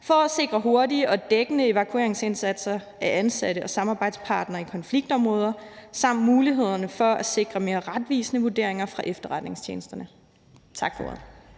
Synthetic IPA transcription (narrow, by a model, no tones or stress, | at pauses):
fɒ̽æse̝ɡ̥ʁɐɦo̝ɐdiəʔɒ̽d̥eɡ̥ənəe̝ʋækʰue̝̰ɐeŋse̝nsæd̥sɐ | ʔæʔænsæɾ̥əʔɒ̽sɑ̈mɑ̈ːb̥ɑ̈ɪd̥spʰɑ̈ːd̥nɐikʰɒ̽nfliɡ̥̚d̥ɒ̽mʁɔːð̞ˠɐsɑ̈m̰d̥muːliɦe̝ð̞̰ˠɐnəfɒ̽æse̝ɡ̥ʁɐme̝ːɐʁad̥ʋḭːsənəʋuɐd̥e̝ɐe̝ŋɐfʁɑ̈ʔefd̥ɐʁɑd̥ne̝ŋst͡ɕʰḛːnəsd̥ɐnə | t͡sʰɑ̈ɡ̥fɒo̰ɐ̰ðˠ